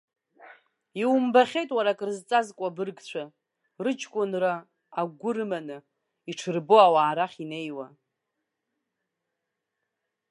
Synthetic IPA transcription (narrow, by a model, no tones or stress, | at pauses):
iwmbaχʲejtʼwaɾakʼrɨzt͡sʼazkʷʼabɨrɡt͡ɕʷʰa | rɨt͡ʃʰkʷʼʊnraː | ɡʷʊrɨmanɨ | iʈ͡ʂʰɨrboawaːɾaχʲine̞jwa